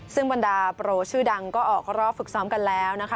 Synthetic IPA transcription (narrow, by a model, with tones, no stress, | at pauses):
sɯ˥˩ŋba˧ndaː˧pɾoː˧t͡ɕʰɯː˥˩da˧ŋkɔː˥˩ʔɔː˨˩k̚ɾɔː˦˥˩fɯ˨˩k̚sɔː˦˥mka˧nlɛː˦˥wna˦˥kʰa˦˥